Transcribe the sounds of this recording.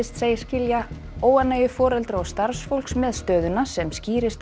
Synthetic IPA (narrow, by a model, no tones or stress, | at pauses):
ɪst̪seːjɪɾ̥scɪlja | oːwanːajʏfɔːɾɛlt̪ɾaawst̪aɾsfowlksmɛðst̪œːðʏnasɛmsciːɾɪst̪